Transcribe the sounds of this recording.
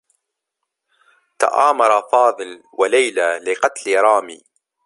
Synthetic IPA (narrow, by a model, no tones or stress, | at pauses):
t̪a̰ʔaːmɑɾˤɑfɑːðˤɨl | walajlalɪqɑt̪liɾˤɑːmḭː